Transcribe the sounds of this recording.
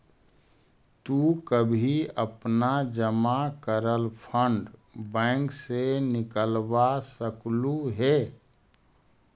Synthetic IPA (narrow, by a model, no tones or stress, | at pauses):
t̪ukəbʱiəpnad͡ʒəmakəɾəlpʰəɳɖbɛ̃ːŋksenɪkəlbasəkluɦɛː